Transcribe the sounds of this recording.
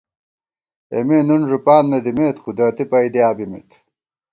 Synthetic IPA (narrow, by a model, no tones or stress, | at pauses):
ḛmeːnunʐupaːnmed̪imeːt̪xud̪aːt̪ipɐjd̪iaːbimḛt̪